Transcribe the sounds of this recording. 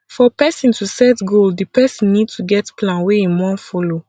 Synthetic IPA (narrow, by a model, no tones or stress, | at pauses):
fɔpɛsĩntusɛtɡoldipɛsĩnːidtuɡɛtpʰlãnweĩmɔ̃fɔlo